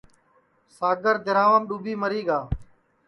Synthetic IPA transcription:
saːɡəɾd̪ɪɾaːʋəmɗuːbiːməɾiːɡaː

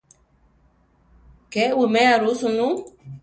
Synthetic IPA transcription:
kɛwumɛjaɾusunu

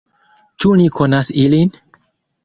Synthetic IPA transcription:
t͡ʃunikʰo̞nasilin

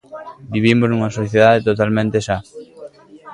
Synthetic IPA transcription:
biβimoznuŋɐsoθjeð̞aðet̪ot̪almẽnt̪eʃa

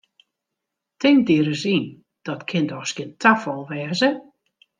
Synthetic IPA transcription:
tɪŋdiəɾəsin | d̥ɔtkʰɪndɔxskɪntʰafɔlˠʋɛːzə

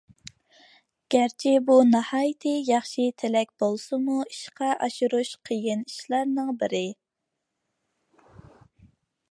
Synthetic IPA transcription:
ɡ̥ʲæɾt͡ʃʰibunɑhɑːjɨt̪ʰɨjɑχʃit̪ʰɪlɛkʲb̥olˠsɨmuiʃqʰɑʔɑʃuɾuʃqʰəjɪniʃlˠɑɾnɨŋbɪɾɪ

